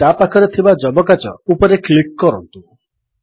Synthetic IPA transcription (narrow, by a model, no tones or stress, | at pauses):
t̪apakʰɔɾet̪ʰibad͡ʒɔbɔkat͡ʃɔ̰upɔɾeklikːɔɾɔnt̪u